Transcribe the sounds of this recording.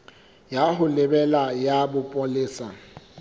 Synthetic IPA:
jahʊlɪbɛlajabʊpʼolɪːsa

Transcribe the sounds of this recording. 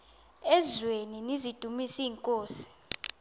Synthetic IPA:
ɛzweninizid̥ʱumisiːŋkʼoːsi̥

